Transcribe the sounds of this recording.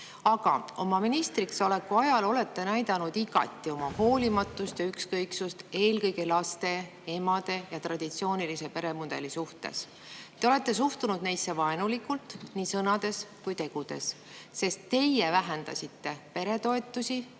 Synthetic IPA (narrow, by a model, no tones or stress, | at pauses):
ɑɡ̥ɑ̰o̞mɑminist̪ɾiksɑle̞kːˑuɑjɑlo̞le̞t̪ːe̞næjd̪ɑnud̪̥iɡɑ̰t̪ːˑio̞mɑho̞ːlʲimɑt̪ːˑust̪jɑykskɤjksust̪e̞ːlkɤjɡ̥elɑst̪e̞ | e̞mɑd̪̥e̞jɑt̪rɑd̪̥it̪sio̞ːnilise̞pe̞ɾe̞mud̪̥e̞̰lisuht̪e̞̰s | t̪ːe̞o̞le̞t̪ˑːe̞s̬uht̪unud̪̥nejsːe̞vɑenulikːult̪niːsɤnɑd̪̥e̞skujt̪e̞ɡ̥ud̪̥e̞̰sː | e̞st̪ːe̞jevæɦend̪̥ɑ̰sʲit̪ːe̞pe̞ɾe̞t̪o̞e̞t̪ːˑusʲi